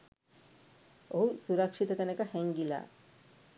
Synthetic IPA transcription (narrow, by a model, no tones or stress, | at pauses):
oɦusuɾɐkʂit̪ət̪ɐnekəhɛŋɡila̰ː